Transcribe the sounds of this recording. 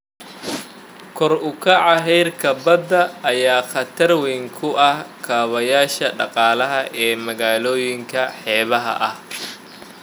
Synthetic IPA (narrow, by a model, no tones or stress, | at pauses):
kʰɔrʊkʰɐʕɑɦɛjrkʰɐbɐd̪ɐːjaːχɑt̪ʰɐrwɛŋkʰʊʔɐhkʰaːβɐjaːʃɐɖɑqɑːlɐɦɐʔɛːmɐɣaːlɔːjɪŋkʰɐħɛːβɐɦɐ̰ʔɐh